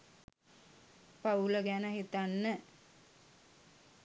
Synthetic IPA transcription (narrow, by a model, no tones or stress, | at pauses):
pauləɡænəɦit̪anːə